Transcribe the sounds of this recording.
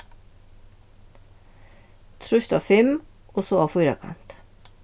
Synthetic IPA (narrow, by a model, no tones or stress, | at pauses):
t̪ʰɾʉʃt̪ɑ̰ːfɛm | oːsoːɑːfʊjɾɑ̰kʰɑ̰nt̪